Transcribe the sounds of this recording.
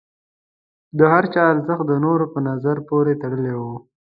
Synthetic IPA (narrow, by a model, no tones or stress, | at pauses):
d̪əhaɾt͡ʃɑaɾzəx̚d̪ənoɾopənazaɾpoɾet̪aɽəlewo